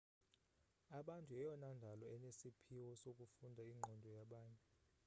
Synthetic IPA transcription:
aɓantʼuɛjɔnandʱalɔɛnesipʰiwɔsok̬ʼufundʱaiŋ͡ǃʱɔndʱɔjaɓaːɲɛ

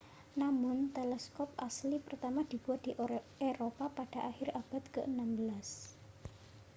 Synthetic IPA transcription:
namʊnt̪elɛskɔp̚aslipərt̪amad̪̥i̤b̥uwad̪̥i̤ʔ | eɾopapaɖ̥a̤ʔaxɪɾab̥a̤t̪kəʔənambəlas

